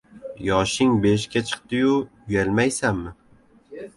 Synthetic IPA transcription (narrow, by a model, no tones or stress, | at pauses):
jɒʃɪŋbeʃ̬kʲat͡ʃʰɨ̥q̚t̪ɪjʊ | jalmajsamːɪ